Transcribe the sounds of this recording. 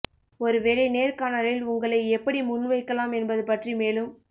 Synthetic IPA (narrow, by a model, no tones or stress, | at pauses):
ɔɾɯʋeːɻɐɪneːɾkaːnɐɾɪlʊŋɡɐɭɐɪɛpːɐɽimʊnːʋɐɪkːɐlaːmɛnbɐðɯpɐʈrimeːlɯm